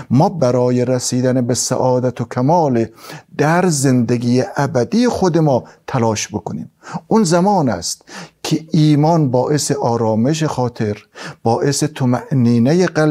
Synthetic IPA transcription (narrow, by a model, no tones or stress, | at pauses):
mɒːbæɾɒːjeɾæsiːd̪ænebesæ̰ʔɒːd̪æt̪ʰokʰæmɒːled̪̥æɾzend̪eɡijeʔæbæd̪ijexod̪emɒːt̪ʰælɒːʃbokʰonḭːmunzæmɒːnæ̰st̪kʰeʔiːmɒnbɒːʔeseʔɒːɾɒːmeʃ̬exɒːt̪ʰe̞ɾb̥ɒːʔeset̪ʰomæʔniːnejeɢæl